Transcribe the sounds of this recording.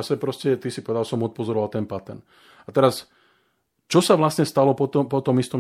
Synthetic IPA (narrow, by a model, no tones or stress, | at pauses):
asɛpɾɔscɛt̪isipɔʋɛd̪alsɔmɔt̪̚pɔzɔɾɔʋalt̪ɛnpat̪ɛ̰ɾn | at̪ɛɾas | t͡ʃɔsaʋlasɲɛst̪alɔpɔt̪ɔpɔt̪ɔmist̪ɔm